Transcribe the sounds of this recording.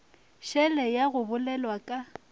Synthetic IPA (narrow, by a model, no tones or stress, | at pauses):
ʃɛlɛjaɣʊbʊlɛlwakʼa